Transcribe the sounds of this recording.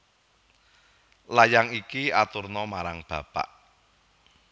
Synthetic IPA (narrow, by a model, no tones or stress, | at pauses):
lajaŋikiat̪urnɔmaɾaŋb̥ä̤pa̰ʔ